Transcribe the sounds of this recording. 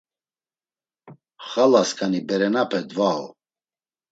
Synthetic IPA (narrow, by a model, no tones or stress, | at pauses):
χalaskʰʼanibɛɾɛnapʰɛd̪vaɔ